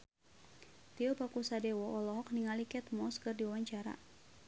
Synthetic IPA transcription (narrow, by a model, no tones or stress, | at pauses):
t̪iɔpakusadɛwɔʔɔlɔɦɔk̚niŋalikɛt̪mɔskərdiwaɲt͡ʃaɾa̰